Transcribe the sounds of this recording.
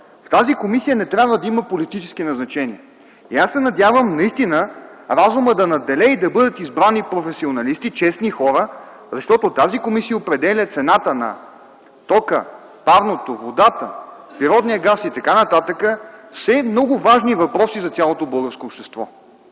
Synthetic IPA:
ft̪azikomisijənɛt̪ɾʲabvəd̪ɐiməpolit̪it͡ʃɛsk̟inɐznɐt͡ʃɛniɛ | iasːɛnɐd̪ʲjavəmnɐist̪inəɾazuməd̪ɐnɐd̪ɛlɛid̪ɐbɤd̪ət̪izbɾanipɾofɛsionɐlist̪it͡ʃɛsnixɔɾə | zɐʃt̪ɔt̪ʊt̪azikomisijəopɾɛd̪ɛlʲət̪sɛnat̪ənɐ̰ | t̪ɔkə̰ | pavnot̪ovod̪at̪ə | pɾiɾɔd̪nijəɡasit̪ɐkanɐt̪at̪əkəfsɛmnɔɡʊvaʒnivɐpɾɔsizɐt̪sʲjalˠot̪obɤlˠɡəɾskoːpʃt̪ɛst̪vɔ̰

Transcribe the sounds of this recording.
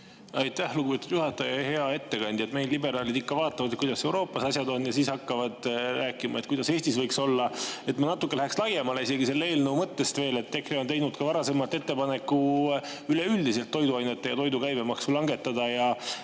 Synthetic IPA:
ɑjt̪ːæhluɡubet̪ud̪̥juhɑt̪ːˑɑjɑhe̞ɑe̞t̪ːe̞kɑnʲd̪̥ʲie̞t̪me̞jlːlibe̞ɾɑːlid̪ikːɑvɑːt̪ːˑɑvɑd̪ekujd̪ɑse̞wɾo̞ːpːˑɑsɑsʲjɑd̪o̞nːjɑsiːshɑkːɑvɑd̪̥rʔæːkːˑimɑ̰et̪kujd̪̥ɑse̞ːsʲt̪isvɤjkso̞lːɑe̞t̪ːmɑnɑt̪ːˑukːelæhekslɑje̞mɑle̞ise̞ɡise̞lːee̞ːlnumɤt̪ːe̞st̪ve̞ːle̞t̪ːe̞kreot̪e̞jnud̪̥kɑvɑɾɑse̞mɑlt̪ːe̞t̪ːepɑnekˑːu | yle̞yld̪ise̞lt̪ːo̞jd̪uɑjne̞t̪ːˑejɑt̪o̞jd̪ukæjbe̞mɑksulɑŋɡe̞t̪ːˑɑd̪̥ɑjɑ

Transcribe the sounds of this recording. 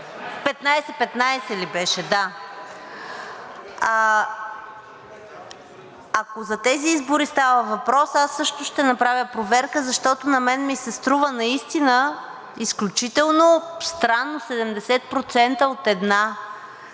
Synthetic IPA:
pɛt̪najsɛpɛt̪najsɛlibɛʃɛd̪a | a | ɐkozɐt̪ɛziizbʊɾist̪avəvɐpɾɔsasːɤʃt̪ʊʃt̪ɛnɐpɾavʲjəpɾovɛɾkəzɐʃt̪ɔt̪onɐmɛnmisɛst̪ɾuvənɐist̪inə | isklʲut͡ʃit̪ɛlˠnost̪ɾanːosɛd̪ɛmd̪ɛsɛt̪̚pɾot̪sɛnt̪əot̪ɛd̪na

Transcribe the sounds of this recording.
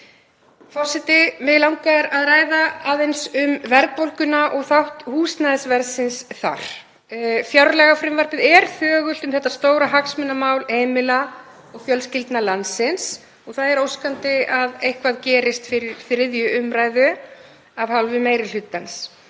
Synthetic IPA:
fɔ̥sɪt̪ɪmɛðlawŋkaɛɾaðraːjðaaːðejnsʏmvɛɾk̚powlkʏnaʔɔɣθawht̪huːsnaðɪsvɛɾsɪnsθa̰ɾ̥ | fjawɾlɛɣafɾɪmvaɾpɪðɛɾ̥θœːɣʏlt̪ʏmθɛht̪ːast̪oːwɾaɦaksmɪnːamaːwlhejmɪla | ɔɣfjœlscɪlt̪nalansɪns | ɔɣθaðɛɾowskant̪ɪaðejhkvaðcɛːɾɪst̪fɪɾɪɾfɾɪðjʏʏmɾaːjðʏ | avhalvʏmeːjɾɪl̥ʏt̪ːans

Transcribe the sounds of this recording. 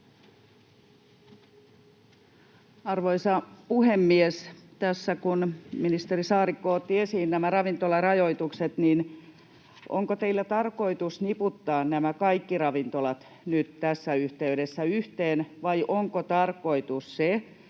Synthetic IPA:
ɑrʋoisɑpuhemːiest̪æsːækunminist̪erisɑːrikːoːt̪ːiesiːnːæmærɑʋint̪olɑrɑjo̞it̪ukset̪nin | ʔo̰ŋkot̪eilːæt̪ɑrko̞it̪usniput̪ːɑːnnæmækɑikːirɑʋint̪olɑt̪ | nyt̪t̪æsːæyht̪eydesːæyht̪eːnʋɑjʔoŋkot̪ɑrko̞it̪usse

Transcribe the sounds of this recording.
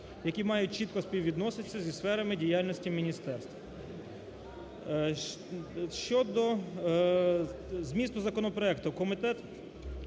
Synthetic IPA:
jɐkʲimɑjʊt̚ʲt͡ʃit̪̚kɔspʲiwʲʋʲid̪nɔsɪtsʲːɐzʲisfɛɾɐmɪdʲijɑlʲnɔsʲtʲimʲinʲist̪ɛrst̪ʋɐ | ʃt͡ʃɔd̪ɔ | zmʲist̪ʊzɐkɔnɔpɾɔɛkt̪ʊkɔmɪt̪ɛt̪

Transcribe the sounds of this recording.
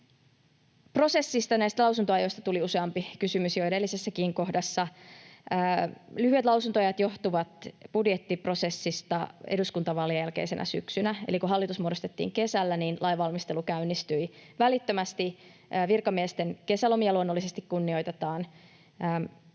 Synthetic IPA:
pro̞se̞sːist̪ɑnæist̪ælɑwsunt̪oɑjo̞ist̪ɑt̪uliuseɑmpikysymysjoedelːisesːækiːŋko̞hdɑsːɑː | lyhyet̪lɑwsunt̪oɑjɑt̪jo̞ht̪uʋɑt̪b̥udjet̪ːipro̞se̞sːist̪ɑeduskunt̪ɑʋɑlːijælkḛise̞nʔæ̰sy̰ksynæḛlikuɦɑlːit̪usmuodost̪et̪ːḭːŋke̞sælːæninlʔɑjʋɑlmist̪e̞lukæynːist̪yiʋælit̪ːømæst̪iː | ʋirkɑmiest̪enke̞sælo̞miɑluonːolːisest̪ikkunːio̞jt̪et̪ɑːnː

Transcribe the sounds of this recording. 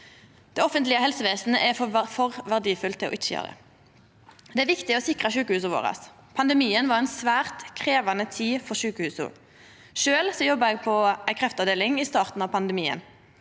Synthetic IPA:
d̪̥ɛɔfənt̪lɪəhɛlsəʋeːsn̩əʔɛffɔʁʋæʁd̪iːfʉlt̪ʰɪlɔ̰ʔɪt͡ʃːəɑ̰ʁə̰ | d̪ɛæːɾʋɪkt̪ɪɔsɪkʁəʃʉːkəhʉːs̬əʋo̰ːʁə̰s | pʰɑnd̪əmiːənʋɑʁɛnsʋæːʁt̪kʰʁeːʋɑnət̪ʰiːfɔʁʃʉːkəhʉːsʊ̰ | ʃøːlsɔjɔbəɛɡ̚pʰɔæɪkʰʁɛft̪ɑʋd̪eːlɪŋɪst̪ɑːʁt̪n̩ɑʋpʰɑnd̪əmiːə̰n

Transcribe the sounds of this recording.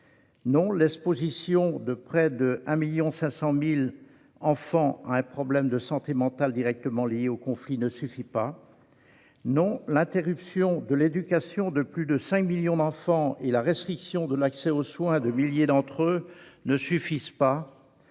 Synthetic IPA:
nɔ̃lɛkspozisjɔ̃d̪əpχɛd̪əɛ̃miljɔ̃sɛ̃sɑ̃mil | ɑ̃fɑ̃a̰ɛ̃pχɔblɛmd̪əsɑ̃t̪emɑ̃t̪ald̪iʁɛk̚t̪əmɑ̃ljeokɔ̃flinəsyfipa | nɔ̃lɛ̃t̪eʁypsjɔ̃d̪əled̪ykasjɔ̃d̪əplyd̪əsɛ̃kmiljɔ̃d̪ɑ̃fɑ̃elaʁɛst̪χiksjɔ̃d̪əlaksɛoswɛ̃d̪əmiljed̪ɑ̃t̪χønəsyfizpa

